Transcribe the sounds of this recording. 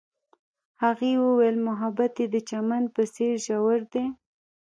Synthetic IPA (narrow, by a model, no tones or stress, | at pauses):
haɣewəwelmʊɦabat̪ed̪ət͡ʃamand̪̚pəseɾʒawəɾd̪e